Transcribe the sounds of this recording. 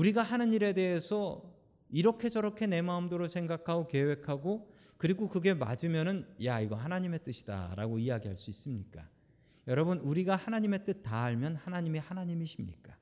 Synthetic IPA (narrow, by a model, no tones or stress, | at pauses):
uɾiɡahanɯɲiɾe̞de̞ɦesʰʌ | iɾʌkʰe̞d͡ʑʌɾʌkʰe̞ne̞maɯmdoɾosʰe̞ŋɡakʰaɡoke̞we̞kʰaɡo | kɯɾiɡokɯɡe̞ma̰d͡ʑɯmjʌnɯnjaiɡʌhanaɲime̞t͈ɯɕʰi̥d̥a̰ɾa̰ɡoijaɡiɦaɭs͈uis͈ɯmɲik͈a | jʌɾʌbɯnuɾiɡahanaɲime̞t͈ɯt̚t͈aːɭmjʌnhanaɲimihanaɲimiɕʰimɲḭk͈a